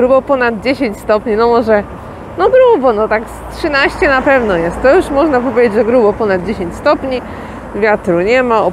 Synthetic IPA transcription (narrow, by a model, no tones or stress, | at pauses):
ɾubɔpɔnad̪̚d͡ʑeɕeɲt͡ɕst̪ɔpɲinɔmɔʐɛ | nɔɡɾubɔnɔt̪akstʂɨnaɕt͡ɕɛnapɛvnɔjɛst̪t̪ːɔjuʂmɔʐnapɔvʲed͡ʑed͡ʑʐɛɡɾubɔpɔnad̪̚d͡ʑeɕẽɲt͡ɕst̪ɔpɲi | vʲjat̪ɾuɲɛmaɔ